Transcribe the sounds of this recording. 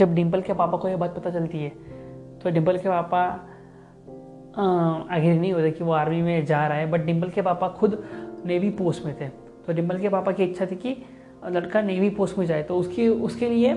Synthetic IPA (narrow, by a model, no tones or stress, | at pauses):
d͡ʒɐbɖɪ̃mpəlkepaːpakoebaːt̪̚pɐt̪at͡ʃɐlt̪iɦɛːt̪oɖɪ̃mpəlkepaːpa | aːɡɾinɐɦĩɦoːt̪ekiʋoaːɾmimẽd͡ʒaːɾaɦebɐʈ̚ɖɪ̃mpəlkepaːpaxʊd̪neːʋipoːsʈmẽt̪ʰeː | t̪oɖɪ̃mpəlkepaːpakiɪtːʃʰat̪ʰiki | lɐɽkaneːʋipoːsʈmẽd͡ʒaːet̪oʊskiʊskelie